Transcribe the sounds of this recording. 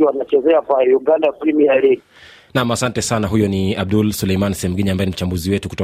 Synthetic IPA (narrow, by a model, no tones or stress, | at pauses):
iwanat͡ʃɛzɛakwajuɡandaflimijaɾɛɡi | namasantɛsanaɦujɔniab̚dulsulɛjmanisɛhɛm̩ɡiniambaɛnim̩t͡ʃambuziwɛtuku̥tɔ